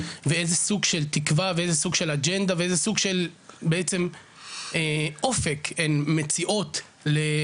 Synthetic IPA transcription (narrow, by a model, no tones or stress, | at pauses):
veezesuɡʃelt̪ikvaveezesuɡʃelad͡ʒend̪aveezesuɡʃelbeet͡sem | eo̞fekʰenmet͡siʔo̞t̪ | le